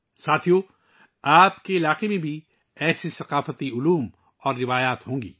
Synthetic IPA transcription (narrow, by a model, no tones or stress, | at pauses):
saːt̪ʰijo | aːpkeɪlaːqemẽbʱi | ɛːsisɐqaːfət̪iʊluːm | ɔːɾːɪʋaːjaːt̪ɦõːŋɡḭː